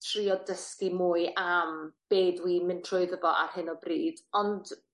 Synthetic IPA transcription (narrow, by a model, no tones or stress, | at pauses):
tʰr̥iɔdəskimuːɨamb̥eːdwiːmɪntʰrɔɨðəvɔʔa̰rhɨnɔbriːd̥ɔnd̥